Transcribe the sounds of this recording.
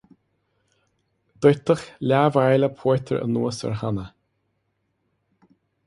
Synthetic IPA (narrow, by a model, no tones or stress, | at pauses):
d̪̥ɔjt̪əxlʲaːvajləpʰɔt̪ʰəɹʔə̰nuːəsə̰ɹhanə